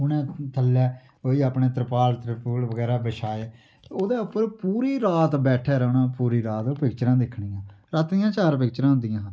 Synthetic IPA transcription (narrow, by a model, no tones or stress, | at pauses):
ʊnẽːt̪ʰəlːɛː | oːiːaːpɳeːt̪əɾpaːlt̪əɾəpuːlʋəɡɛːɾaːbəʃʰaːeː | oːd̪eːʊpːəɾpuːɾiːɾaːt̪bɛːʈʰɛːɾəːɳãːpuːɾiːɾaːt̪oːpɪkt͡ʃɾãːd̪ɪkʰɳijãːɾaːt̪d̪ɪjãːt͡ʃaːɾp̬ɪk̚t͡ʃɾãːɦʊnd̪ɪjãː